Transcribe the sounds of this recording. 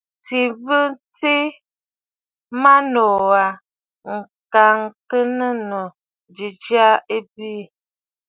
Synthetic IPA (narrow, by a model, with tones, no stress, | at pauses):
t͡si˨bə˦nt͡si˦ | ma˦nɔ˨wa˨ | ŋ̩˨ | ka˨ŋkə˦nə˦nə˨ | d͡ʒi˨d͡ʒa˦e˦bi˦